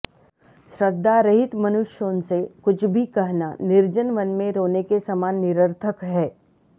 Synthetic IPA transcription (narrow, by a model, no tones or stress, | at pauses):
ʃɾəd̪ːaɾɐɦɪt̪mɐnʊʃjõːnsekʊt͡ʃʰbʱikɐɦnanɪɾd͡ʒənʋənmẽɾoːnekesɐmaːnːɪɾəɾt̪ʰəkɦɛː